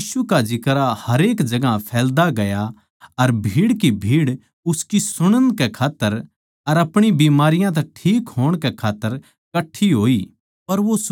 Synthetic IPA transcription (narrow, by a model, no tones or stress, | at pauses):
jiːsukad͡ʒɪkɾahɐɾeːkd͡ʒɐɡapʰɛːld̪aɡɐja | ɐɾbʱiːɽkibʱiːɽ | ʊskisʊɽ̃ə̃nkɛkʰaːt̪ːəɾ | ɐɾɐpɽ̃ibiːmaːɾɪjãt̪̬ɛ̃ʈʰiːkɦoːɽ̃kɛkʰaːt̪ːəɾ | kɐʈʰːiɦoːiː | pɐɾʋos